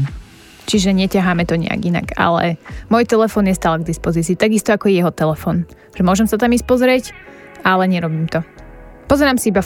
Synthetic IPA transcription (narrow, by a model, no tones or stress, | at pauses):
t͡ʃiʒɛɲɛcaɦaːmɛt̪ɔɲɛ̰a̰ɡina̰ɡa̰lɛ̰mɔjt̪ɛlɛfɔːnɲɛst̪aːlaɡ̚d̪ispɔziːt͡siːt̪aɡist̪ɔakɔjɛjɛɦɔt̪ɛlɛfɔːn | ʒ̥ɛmʊɔʒɛmsat̪amispɔzɾɪɛcalɛɲɛɾɔbiːmt̪ɔpɔzɛɾaːmsiiba